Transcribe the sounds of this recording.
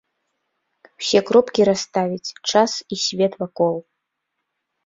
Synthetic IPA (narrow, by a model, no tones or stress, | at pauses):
wsʲekropkʲiɾast̪avʲit͡sʲʈ͡ʂʰasisʲvʲet̪vakolˠ